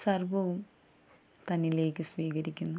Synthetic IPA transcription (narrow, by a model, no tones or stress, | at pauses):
sɐrbɐʋum | t̪ɐnːile̞ːkːɨsʋiːɣɐɾikʲːunːu